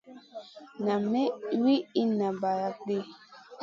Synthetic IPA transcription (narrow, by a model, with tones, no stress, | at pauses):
na˨me˦wi˦i˦na˨ba˨ɾa˨k͡pe˦